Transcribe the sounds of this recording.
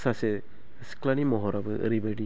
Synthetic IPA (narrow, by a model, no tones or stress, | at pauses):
sase | sklanimɔɦɔɾabɯʔɾibeɖi